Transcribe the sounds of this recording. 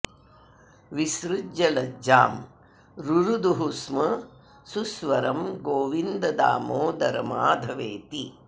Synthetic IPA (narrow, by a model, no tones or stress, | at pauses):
ʋisɾud͡ʒɐlɐd͡ʒaːm | ɾuɾud̪uɦusmɐ | susʋɐɾɐmɡoːʋind̪ɐd̪a̰ːmoːd̪ɐɾɐ̰ma̰ːd̪ʱɐʋeːt̪i